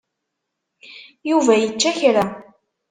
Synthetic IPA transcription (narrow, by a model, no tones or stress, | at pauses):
juvæjət͡ʃːæçɾa